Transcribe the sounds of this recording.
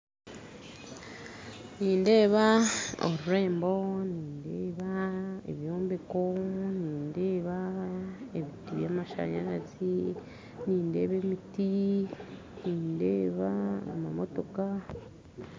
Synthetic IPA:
niːnde̞ːβaoɾuɾe̞ːmbo̞niːndeːβaḛβjo̞ːmbeko̞niːndeːβa | eβitiβjaːmaʃa̰ɲa̰ɾazi | niːnde̞ːβemiti | niːndeβaːmamo̰to̞ka

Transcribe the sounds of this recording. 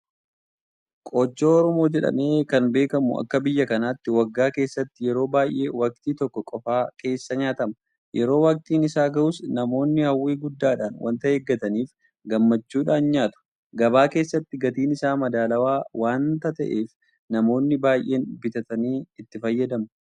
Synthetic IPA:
kʼoːd͡ʒːoːɔɾɔmo̞ːd͡ʒɛᶑɐ̰me̞ːkɐnbe̞ːkɐmʊ̰ɐ̰kːɐbɪjːɐkɐnaːt̪ːɪwɐɡːaːke̞ːsːɐt̪ːɪjɛɾo̞ːbaːjʔe̞ːwɐk̚t̪iːt̪ɔkːɔkʼɔfaːkʰe̞ːsːɐɲaːt̪ɐmɐ | jʔɛɾo̞ːwɐk̚t̪iːnɪsaːɡɐʔʊsnɐmo̞ːnːɪhɐwːeːɡʊd̪ːaːᶑaːnwɐ̰nt̪ɐeːɡːɐt̪ɐniːf | ɡɐmːɐt͡ʃːuːᶑaːnɲaːt̪ʊ̥ | ɡɐbaːke̞ːsːɐt̪ːɪɡɐt̪iːnɪsaːmɐd̪aːlɐwaːwaːnt̪ɐt̪ɐ̰ʔe̞ːf | nɐmo̞ːnːɪbaːjʔe̞ːnbɪt̪ɐt̪ɐniːɪt̪ːɪfɐjːɐd̪ɐmɐ

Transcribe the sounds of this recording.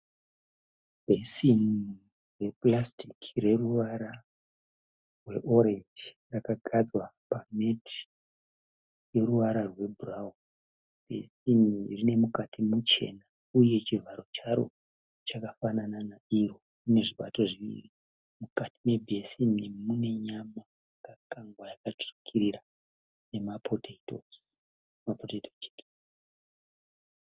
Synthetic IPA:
b̥ʱesini | re̞plastikre̞ruʋaɾa | rwe̞̰ʔo̞ɾe̞nd͡ʒi | rakaɡʱad͡zwapametʰi̥ | je̞ɾuʋaɾarwe̞burawo | b̥ʱḛsinirine̞mukatʰimut͡ʃe̞̰na | uje̞t͡ʃirvaɾo̞t͡ʃaɾo̞̰ | t͡ʃakafanananaiɾo̞ | une̞ʐiɓa̰to̞ʐiʋḭri | mukatime̞bʱe̞sinimune̞ɲama | kakaŋɡwajakatu̥rikʰiɾira | ne̞mapʰoteito̰s | mapoteitot͡ʃeke

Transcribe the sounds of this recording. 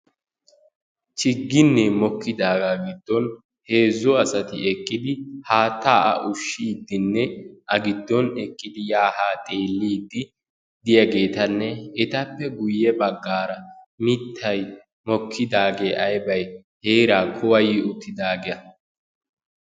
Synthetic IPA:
t͡ʃɪɡːɪnːɛmɔkːɪd̪aːɡaɡɪd̪ːɔn | he̞ːzːɔɐsɐt̪ɪɛkʼːɪd̪ɪhaːt̪ːaːʔɐ̰ʔʊʃːiːd̪ːɪnːɛʔɐɡɪd̪ːɔnɛkʼːɪd̪ɪjaːhaːt̪ʼe̞ːlːiːd̪ːɪ | d̪ɪjɐɡe̞ːt̪ɐnːɛɛt̪ɐpːɛɡʊjːɛbɐɡːaːɾɐ | mɪt̪ʰːɐj | mɔkʰːɪd̪aːɡeːʔɐjbɐj | heːɾaːkʰɔwɐjɪʊt̪ːɪd̪aːɡɛɐ

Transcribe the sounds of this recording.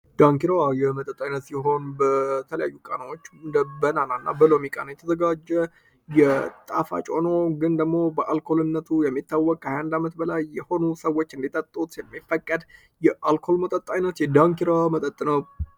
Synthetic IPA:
d̪̥aŋkiɾawajɛmət̪ʼət̪ʼːajnət̪sɪɦo̞nbət̪ʰələja̰jːukʼanawot͡ʃːnd̪əbənananːa̰bəlo̞mikʼanəjɛt̪ʰəzəɡad͡ʒːɛ | jɛt̪ʼafa̰t͡ʃʼo̞no̞ɡɨnd̪əɡmo̞bəʔalkʰo̞lɨnːət̪ʰujɛmːit̪ʰːawːɔkʼkʰːəhajhand̪amət̪bəlajːɛho̞nusəwo̞t͡ʃːɨnd̪it̪ʼːət̪ʼːut̪jɛmːifːəkʼːəd̪ | jɛʔalkʰo̞lmət̪ʼət̪ʼːajnət̪jɛd̪aŋkiɾawamət̪ʼət̪ʼːnəw

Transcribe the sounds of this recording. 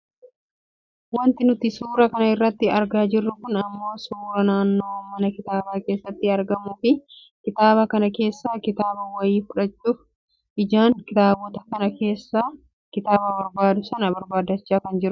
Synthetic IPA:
wɐnt̪ɪnʊt̪ɪsuːɾɐkɐnɐɪrːɐt̪ːɪɐɾɡaːd͡ʒɪrːʊkʊnɐmːo̞ːsuːɾɐnaːnːo̞ːmːɐnɐkɪt̪aːbaːke̞ːsːɐt̪ːɪɐɾɡɐmʊfɪ | kɪt̪aːbɐkɐnɐke̞ːsːaːkɪt̪aːbɐwɐjiːfʊᶑɐt͡ʃːuːf | ʔɪd͡ʒaːŋkɪt̪aːbɔt̪ɐkɐnɐke̞ːsːaː | kɪt̪aːbɐbɐɾbaːd̪ʊsɐnɐbɐɾbaːd̪ɐt͡ʃːaːkɐnd͡ʒɪɾʊ

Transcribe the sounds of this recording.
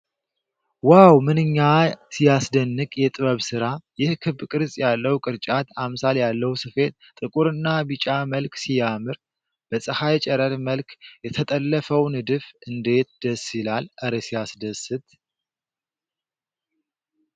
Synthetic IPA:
wawmɨnɨɲːasijasd̪ənːɨkʼjɛt̪ʼɨβəβsɨɾajɪhkʰɨbkʼɨɾzʼjalːəwkʼɨɾt͡ʃʼat̪ʰamsaljalːəwsɨfe̞t̪̚t̪ʼɨkʼuɾɨnːabɨt͡ʃʼaməlksijamɨɾ | b̥əsʼəhajt͡ʃʼɛɾəɾməlkʰjɛt̪ʰət̪ʼəlːəfəwnɨd̪ɨfɨnd̪e̞t̪̚d̪̥əsilalʔəɾesijasd̪əsɨt̪

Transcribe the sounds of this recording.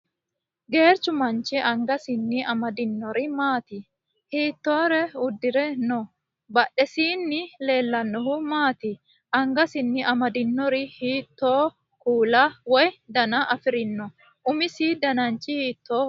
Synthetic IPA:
ɡe̞ːɾt͡ʃːʊmɐnt͡ʃːɪʔɐŋɡɐsɪnːɪʔɐmɐd̪ɪnːɔɾɪmaːt̪ɪ | hiːt̪ːo̞ːɾɛʊd̪ːɪɾɛnɔ | bɐɗːɛsiːnːɪle̞ːlːɐnːɔhʊmaːt̪ɪ | ʔɐŋɡɐsɪnːɪʔɐmɐd̪ɪnːɔɾɪhiːt̪ːoː | kuːlawɔjd̪ɐnɐʔɐfɪɾɪnːɔ | ʔʊmɪsiːd̪ɐnɐnt͡ʃːɪhiːt̪ʰːo̞ː

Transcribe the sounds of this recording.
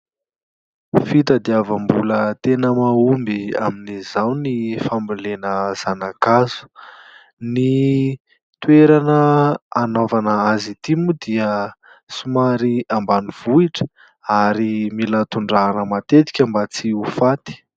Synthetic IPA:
fit̪əd̪iavambulət̪enəmaumbia̰minizawnifambilenəz̥anakazu̥ | ni | t̪ueɾanəːnovanəazit̪imud̪iə | sumaɾiambaniv̥uiʈ͡ʂə̥ | aɾimilat̪uɳɖ͡ʐanəmat̪et̪i̥kʲambat͡siufat̪i̥

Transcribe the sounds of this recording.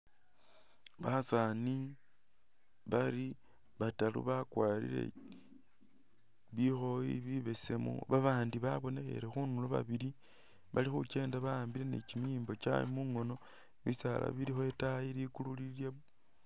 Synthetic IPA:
βasani | βaɾi | βatalṵβakwaːlḭlḛ | βixo̞jḭβiβe̞semo̰βaβaːndiβaβo̞ne̞xe̞̰ɾe̞xunuloβa̰βiɾi | βalixut͡ʃe̞ːndaβaaːmbiɾe̞nḛt͡ʃimijiːmbo̞t͡ʃa̰jimuŋo̞no̞ | βisala̰βiɾixoetajiɾikululilje

